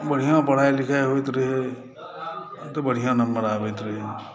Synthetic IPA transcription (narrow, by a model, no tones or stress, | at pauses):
bəɽ̤ijãpəɽ̤ajlikʰajɦojt̪ɾəɦe | t̪ɔbəɽ̤ijãnəmːəɾabəjt̪ɾəɦe